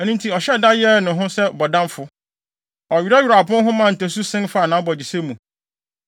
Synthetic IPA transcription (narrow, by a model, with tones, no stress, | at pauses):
ɛ˨nĩ˦ntʰi˨ɔ˨ɕɛ˦da˦jɛ˦˨nʊ̃˨ɦʊ̃˦sɛ˦bɔ˨dã˦mfʊ˦ | ɔ˨ɥi˨ɾa˦ɥi˨ɾa˨pʊ̃˦nɦʊ̃˦mã˦˨n̩˨tɛ˨s̬u˦sɪ̃˦nfa˦˨nã˨˦bɔ˨d͡ʑi˨se˦mũ˨